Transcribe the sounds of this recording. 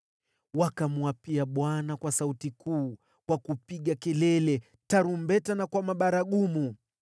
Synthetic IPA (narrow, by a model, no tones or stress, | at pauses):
wakamuwapiaɓwanakwasautikuː | kwakupiɠakɛlɛlɛ | taɾumbɛtanakwamaɓaɾaɠumu